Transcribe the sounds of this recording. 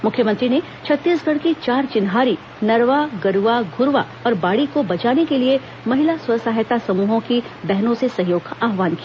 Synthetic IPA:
mʊkʰjəmɐ̃nt̪ɾine | t͡ʃʰɐt̪ːiːsɡʱɐɽkit͡ʃaːɾt͡ʃɪnɦaːɾi | nɐɾʋaɡɐɾuʋaɡʱʊɾʋa | ɔːɾbaːɽikobɐt͡ʃaːnekelie | mɐɦɪlasʊɾsaːɦjət̪asɐmuːɦõkibɛɦnõsesɐɦjoːɡkaʔaːɦʋaːnkia

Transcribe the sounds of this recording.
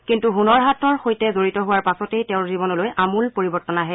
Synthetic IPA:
kintuɦunɔɹɦatɔɹxojtɛzoɹitɔɦʊwaɹpasɔtejtɛʊ̃ɹzibɔnɔlojʔamulpoɹibɔɹtɔnaɦɛ

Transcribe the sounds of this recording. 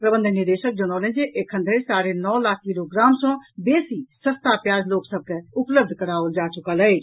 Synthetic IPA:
pɾəbə̃nd̪ʱəniɾd̪eʃək̚d͡ʒəñɔlə̃nd͡ʒeʔekʰə̃nd̪ʱəsaɾenɔlaːkʰkiloɡɾamsɔ̃besisə̃st̪apjad͡ʒloksəb̚keupləb̚d̪ʱkəɾaəld͡ʒat͡ʃukələ

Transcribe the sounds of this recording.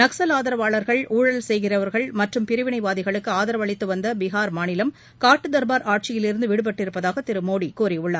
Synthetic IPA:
nɐksɐlaːðɐɾɐʋaːɭɐɾɣɐɭuːɻɐlsɛjɣɪrɐʋɐɾɣɐɭmɐʈrɯmpɪɾɯʋɪɳɐɪʋaːðɪɣɐɭɯkːɯaːðɐɾɐʋɐɭɪt̪ːɯʋɐnd̪ɐbɪɣaːɾmaːɳɪlɐm | kaːʈːɯd̪ɐɾbaːɾaːʈ̚t͡ʃɪjɪlɪɾɯnd̪ɯʋɪɽɯp̬ɐʈːɪɾɯpːɐðaːɣɐt̪ɪɾɯmoːɽikuːriʊɭːɐːɾ

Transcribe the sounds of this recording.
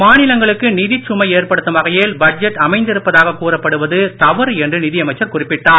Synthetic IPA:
maːnɪlɐŋɡɐɭɯkːɯnɪðɪt͡ʃːʊmɐɪeːrpɐɽɯt̪ːɯmʋɐɣɐjeːlbɐd͡ʒɛʈːɐmɐɪnd̪ɪɾɯpːɐðaːɣɐkuːrɐpːɐɽɯʋɐðɯt̪ɐʋɐɾɛndrɯnɪðɪjɐmɐɪt͡ʃːɐɾkʊrɪpːɪʈːaː

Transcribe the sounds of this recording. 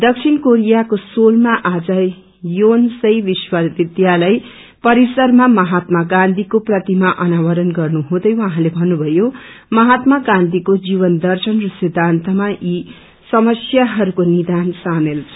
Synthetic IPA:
d̪ʌksʰinkoɾijakosolmaʔad͡zʌ | jonsʌjbiswʌrb̪id̪jalʌj | pʌɾisʌrmamʌɦat̪maɡãnd̪ʱikoprʌt̪imaʔʌnawʌɾʌnɡʌrnuɦũd̪ʌjwʌɦãlebʱʌnːubʱʌjo | mʌɦat̪maɡãnd̪ʱikod͡ziβʌnd̪ʌrsʌnrusid̪ʱant̪ʰʌmaʔi | sʌmʌsjaɦʌɾukonid̪ansamelt͡sʰʌ̥

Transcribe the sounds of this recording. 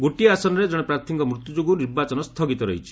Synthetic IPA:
ɡoʈiasɔnɔɾed͡ʒɔɽ̃ɔpɾaɾt̪ʰiŋkɔmɾut̪jud͡ʒuɡuniɾbat͡ʃɔnɔst̪ʰɔɡit̪ɔɾɔ̰ɦit͡ʃʰi̥

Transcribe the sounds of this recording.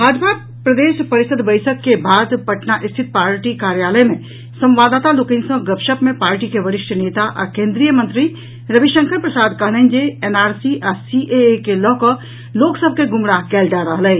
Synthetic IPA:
baːd͡ʒbʱaː | pɾəd̪eːʃpəɾɪsəd̪bəɪsəkkːebʱaːd̪pəʈnaʔɪst̪ʰɪt̪̚paːɾʈikaːɾjaːləmẽ | sə̃mʋaːd̪aːt̪alokẽnsə̃ɡəpʃəpmẽpaːɾʈikeʋəɾɪʃʈʰəneːt̪aʔɔ̰kẽːnd̪ɾijəmə̃nt̪ɾi | ɾəbiʃə̃ŋkʰəɾpɾəsaːd̪kəɦlənd͡ʒeeːnaːɾsiʔasiʔekelɔːkə | loːksəb̚ʱkeɡʊmɽakɛːlɖaɾəɦləː

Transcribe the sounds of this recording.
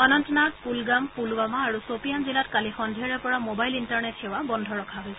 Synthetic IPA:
anɔntɔnakpulɡampulwamaːɹusopijanzilatkalixɔndʱijaɹɛpɔɹamobajlintaɹnethɛwabɔndʱɔɹɔkʰaɦojsɛ

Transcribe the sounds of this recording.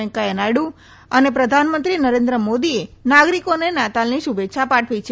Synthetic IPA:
ə̃ŋkaənaɽu | ənepɾəd̪ʱanmə̃nt̪ɾinəɾẽnd̪ɾəmod̪ienaɡɾikonenat̪alniʃubetːʃʰapaʈʰʋit͡ʃʰ

